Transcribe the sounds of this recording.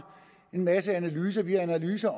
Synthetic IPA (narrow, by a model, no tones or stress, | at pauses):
e̝nmæsəænælyːs̬ɐʋiæænælyːsɐ